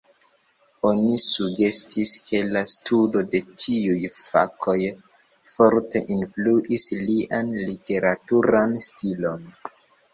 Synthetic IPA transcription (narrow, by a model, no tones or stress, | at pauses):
o̞nisuɡe̞stʰiskʰe̞lastʰudo̞de̞tʰiujfa̰kʰo̞j | fo̞ɾte̞ʔinfluʔisliʔanlite̞ɾatuɾanstʰilo̞n